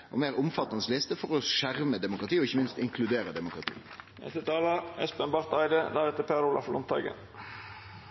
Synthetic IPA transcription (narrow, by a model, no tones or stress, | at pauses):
ʔɔ̰meːɾʊmfɑt̪ːɑnəslɪst̪əfɔɾɔʃæʁməd̪ɛmʊkɾɑt̪iːɔɪçːəmɪnst̪ɪŋkʰlʉd̪eːɾəd̪ɛmʊkɾɑt̪ʰḭː | nɛ̰st̪ət̪ʰɑːlɑɛspɛnbɑɾt̪ɑɪd̪əd̪æɾɛt̪ːəpʰeːɾʊlɑ̰flʔʊmt̪ʰɑ̰ɡə̰n